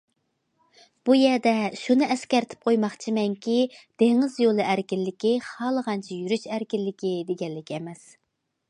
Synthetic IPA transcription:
b̥ujɛɾd̪ɛʃunɨʔɛskʲɛɾt̪ʰɪ̥p̚qʰojmɑχt͡ʃʰimɛŋkʲʰid̪̥eŋɪzjolˠɨʔæɾkʲilːɪkʲiχɑːlˠəʁɑnt͡ʃʰɛjyɾyʃæɾkʲilːɪkʲid̪eɡʲɛlːɪkʲʰɛmɛs

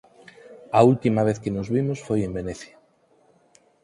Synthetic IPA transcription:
ault̪imaβ̞eθkenozβimosfojembeneθja

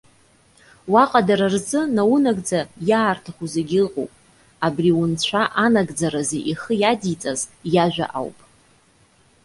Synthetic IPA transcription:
waqʼadaɾarzɨnawʊnaɡʼd͡zajaːrtʰaχʷuzeɡʲɪlqʼo̰wpʼ | abriwʊnt͡ɕʷʰaʔanaɡd͡zaɾazeʔiχəjadit͡sʼazjaʒʷᶣa̰ʔa̰wpʼ

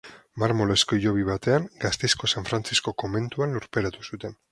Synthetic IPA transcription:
maɾmo̞loskoʝo̞β̞iβ̞at̪e̞aŋɡast̪esko̞saɱfɾant͡sisko̞ko̞me̞nt̪uanluɾpe̞ɾat̪u̥sut̪e̞n

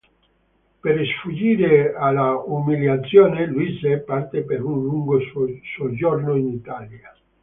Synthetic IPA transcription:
peɾsfud͡ʒiːɾealaumiljat̪sːjɔːneluizepart̪epeɾunluŋɡossod͡ʒornoinit̪alja

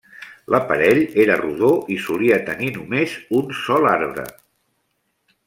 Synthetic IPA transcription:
lʔəpə̰ɾɛʎeɾəruðoʔisuliət̪əninumezunsɔlaɾβɾə̰

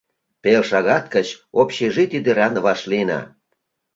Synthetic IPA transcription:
pelʃɑɣɑt̪̚kət͡ɕopɕeʒit̪id̪ə̆ɾɑnβɑʃlinɑ̰

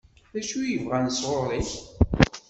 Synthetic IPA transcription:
ðæʃujəvʁænəsʁoɾˤiç

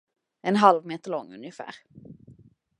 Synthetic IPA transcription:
ɛnɦalʋmeːt̪əlɔŋːʉ̰njəfæ̰ːʁ

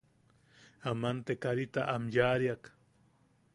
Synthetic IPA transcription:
amant̪ekaɾit̪aʔamjaːɾjak

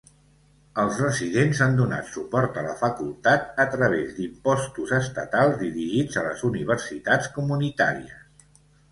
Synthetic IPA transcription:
əlˠzrəzið̞enzand̪una̰t̪supɔɾt̪ələ̰fəkulˠt̪at̪ət̪ɾəβ̞ezd̪impɔst̪uzəst̪ə̰t̪alˠzðiɾiʒid͡zələ̰zuniβ̞ərsit̪at͡skumunit̪a̰ɾiəs

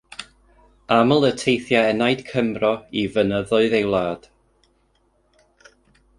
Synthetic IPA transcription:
aməlˠətʰejθjaɛnajd̥kʰəmrɔivənəðʊɨðejwlˠaːd̥

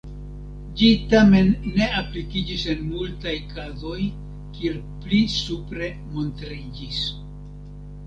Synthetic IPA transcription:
d͡ʒitame̞nːe̞aplikid͡ʒise̞nmultajkazo̞j | kieɾ | plisupɾe̞ | mo̞ntɾid͡ʒis

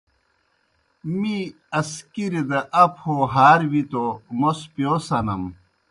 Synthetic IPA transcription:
mi | ɐskiɾed̪ɐʔɐpʰhoɦaːɾwit̪omospjoːsɐnɐm

